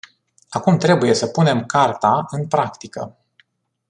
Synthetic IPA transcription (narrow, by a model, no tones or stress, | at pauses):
akumt̪ɾe̞buje̞səpune̞mkart̪aɨnpɾakt̪ikə̰